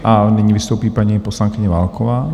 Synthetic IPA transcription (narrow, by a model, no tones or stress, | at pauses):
ʔaɲɛɲiʋist̪uːpiːpaɲipɔslaŋkiɲɛʋalkʰɔʋaː